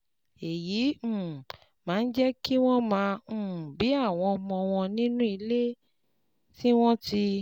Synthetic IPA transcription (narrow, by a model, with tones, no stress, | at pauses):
e˨jĩ˨˦˨ | mãː˨˦˧n̩˦d͡ʒɛ˦ki˦w̃ɔ̃˦mãː˧˨bi˨˦a˦˨w̃ɔ̃˧mɔ̃˧w̃ɔ̃˧nĩ˦nũ˦i˧le˦ | ti˦w̃ɔ̃˦ti˧